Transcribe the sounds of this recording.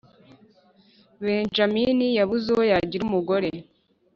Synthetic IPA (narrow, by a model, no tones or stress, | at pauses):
βeːnʒaminijaβuzehojaɟiɾumuɡo̞ɾe̞